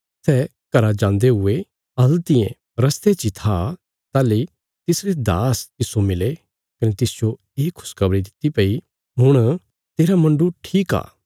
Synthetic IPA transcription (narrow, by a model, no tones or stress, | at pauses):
sɛː | kɐɾad͡ʒãːnd̪eɦʊe | ɐlt̪ɪḛ̃ | ɾɐst̪et͡ʃit̪ʰa | t̪aːle | t̪ɪsɾed̪a̰ːst̪ɪsomɪle | kɐnet̪ɪsd͡ʒo | eːkʰːʊ̥skɐbɾid̪ɪt̪ipɐi | ɦʊɽ̃ | t̪eːɾamɐ̃ɳɖuʈʰiːka̰ː